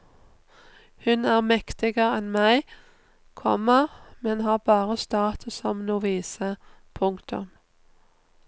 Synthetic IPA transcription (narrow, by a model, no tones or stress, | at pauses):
hʉnæːʁmɛkt̪ɪɡəʁɛnmæɪ | kʰɔ̰məmɛnhɑːʁbɑːʁəst̪ɑːt̪əsɔmnuːʋiːsə | pʰʊŋkt̪ʊ̰m